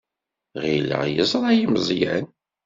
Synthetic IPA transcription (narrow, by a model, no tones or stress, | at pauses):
ʁilə̰ʁjəzˤɾˤɑjiməzˤjæ̰n